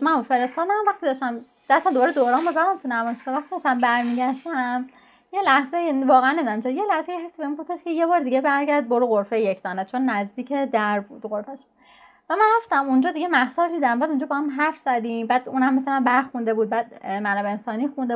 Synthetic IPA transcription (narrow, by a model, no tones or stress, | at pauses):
mænofe̞ɾest̪ɒːd̪æmvæχt̪id̪ɒʃt̪æm | d̥̪æst̪æmd̪obɒːɾed̪oɾɒːnmozæd̪æmt̪ʰunæmɒːʃkɒvæxt̪id̪ɒʃt̪æmbæɾmiːɟæʃt̪æm | jelæhzejvɒːɣeænːemid̪æmt͡ʃʰeɾijelæhzejiɦæst̪ibeminɡoft̪eʃkʰejebɒːɾd̪iɟebæɾɟæɾd̪̚boɾuɣoɾfejjecʰd̪ɒːnet͡ʃʰonːæzd̪iːcʰed̪æɾbṵd̪̥ɣoɾfæʃ | væmænɾæft̪æmund͡ʒɒːd̪iɡemæhsɒːɾd̪iːd̪æmbæːd̪und͡ʒɒːbɒhæmɦæɾfz̥æd̪imbæːd̪unhæmːeslemænbæɾxund̪e̞buːd̪̚bæːd̪mænæbeensɒːniːxund̪e